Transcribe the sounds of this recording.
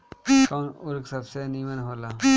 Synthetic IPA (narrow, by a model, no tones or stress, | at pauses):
kaːnʊɾksəbseniːmənɦoːlaː